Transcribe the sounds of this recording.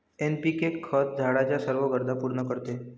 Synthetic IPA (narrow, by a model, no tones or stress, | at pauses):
enpikekʰːət̪̚d͡zʱaɽat͡ɕjasəɾʋəɡəɾd̪ʱapuɾnəkəɾt̪e